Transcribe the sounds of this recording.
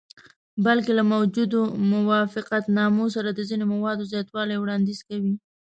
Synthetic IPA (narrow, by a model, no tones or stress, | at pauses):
balkelamawd͡ʒud̪omʊwɑfɪqat̪nɑmos̬aɾad̪əzinomawɑd̪ozjɑt̪wɑlajwɽɑnd̪iz̥kawi